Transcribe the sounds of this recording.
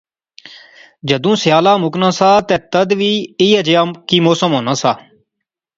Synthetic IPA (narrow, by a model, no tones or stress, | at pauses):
d͡ʒəd̪ũːsɪjaːlaːmʊknãːsaːt̪ɛ̃ːt̪əd̪ʋiːiːəd͡ʒjaːkiːmoːsəmɦoːnaːsaː